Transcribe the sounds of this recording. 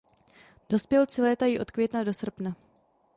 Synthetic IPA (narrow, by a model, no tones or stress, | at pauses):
d̥o̞spjɛlt͡sɪlɛːt̪ajiʔo̞t̪kvʲjɛt̪nado̞sr̩pna